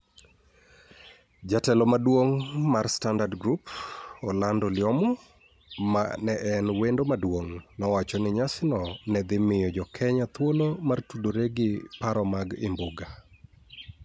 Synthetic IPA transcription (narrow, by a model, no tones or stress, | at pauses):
d͡ʒatɛlɔmadwoŋmarstandadɡɾupɔlandɔlɪɔmɔ | manɛʔɛnwendomadwoŋnɔwat͡ʃɔnɪɲasɪnɔnɛd̪ɪmɪjɔd͡ʒɔkʰɛɲat̪wolomartudoɾeɡɪpaɾɔmaɡɪ̰mbʊɡa